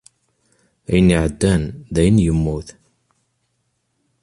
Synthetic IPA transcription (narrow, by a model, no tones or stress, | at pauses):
æjənːiʕəd̪ːænðæjənjəmːuθ